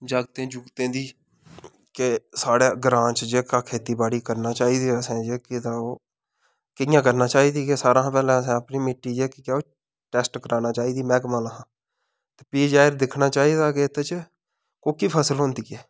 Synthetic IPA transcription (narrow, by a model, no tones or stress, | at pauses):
d͡ʒaːɡt̪ẽːd͡ʒʊɡt̪ẽːd̪iː | kesaːɽeːɡɾãːt͡ʃd͡ʒeːkaːkʰeːt̪iːbaːɽiːkəɾnaːt͡ʃaːiːd̪iːəsɛ̃ːd͡ʒeːkɪd̪aːoː | kɪjãːk̬əɾnaːt͡ʃaːiːd̪iːkesaːɾãːpɛːlɛ̃ːəsɛ̃ːəpniːmɪʈːiːd͡ʒeːkikaːoː | ʈɛːsʈkəɾaːnaːt͡ʃaːiːd̪iːmɛːɡmaːlaɦãː | t̪eːpiːd͡ʒaːɪɾd̪ɪkʰnaːt͡ʃaːiːd̪aːket̪ːet͡ʃ | koːkiːpʰaːsəlɦõːnd̪iːkɛː